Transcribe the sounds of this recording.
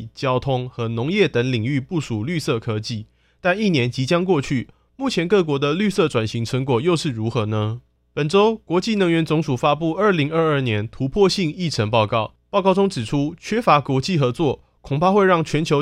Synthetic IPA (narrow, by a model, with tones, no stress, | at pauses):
t͡ɕjɑ˥ʊt̪ʰʊ˥ŋxɤ˧˥nʊ˧˦ŋjɛ˥˩t̪ə˧˥ŋli˨˩ŋy˥˧pu˥˩ʂu˨˩ly˥˧sɤ˥˩kʰɤ˥t͡ɕi˥˩ | t̪a˥˧ni˥˩njɛ˧˥nt͡ɕi˧˥t͡ɕjɑ˥ŋkwɔ˥˧t͡ɕʰy˥˩ | mu˥˩t͡ɕʰjɛ˧˥nkɤ˥˩k̬wɔ˧˥d̪ə˧ly˥˧sɤ˥˩ʈ͡ʂwa˨˩nɕi˧˥ŋʈ͡ʂʰɤ˧˥ŋkwɔ˨˩jo˥˧ʊʂɻ̩˥˩ɻu˧˥xɤ˧˥nə˧ | pə˨˩nʈ͡ʂo˥ʊkwɔ˧˥t͡ɕi˥˨˩nə˧˥ŋɥɛ˧˥nt͡sʊ˧˥ŋʂu˨˩fa˥pu˥˧ə˞˥˩li˧˥ŋə˞˥˧ə˞˥˩njɛ˧˥nt̪ʰu˧˥pʰwɔ˥˧ɕi˥˧ŋi˥˩ʈ͡ʂʰə˧˥ŋpɑ˥˧ʊkɑ˥˩ʊpɑ˥˧ʊkɑ˥˩ʊʊ˥ŋʈ͡ʂɻ̩˨˩ʈ͡ʂʰu˥t͡ɕʰɥɛ˥fa˧˥kwɔ˧˥t͡ɕi˥˨xɤ˧˥t͡swɔ˥˩ | kʰʊ˨˩ŋpʰa˥˧xwe˥˧ɪɻɑ˥˩ŋt͡ɕʰɥɛ˧˥nt͡ɕʰjo˧˥ʊ